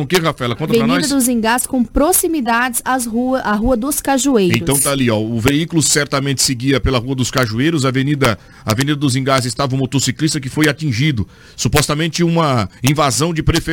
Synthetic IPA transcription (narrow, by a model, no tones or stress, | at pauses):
kehafaɛlɐkõt̪ɐepɾɐnid̪ɐd̪ʊzĩŋɡasskõpɾosimid̪ad͡ʒɪzazuaɦuɐd̪ʊskaʒuejẽɾʊsɐ̃w̃t̪aliɔʊveikulʊsɛɾt̪ɐmẽnt̪ɪ̥sɪɡiɐpelɐhuɐd̪ʊskaʒuejɾʊz̬ɐvenid̪ɐ | ɐvenid̪ɐd̪ʊzĩɡazɪst̪avɐũmot̪osiklist̪ɐkɪfojat͡ʃĩʒid̪ʊ | supɔst̪ɐmẽnt͡ʃɪũmɐĩvazɐ̃w̃d͡ʒɪpɾefe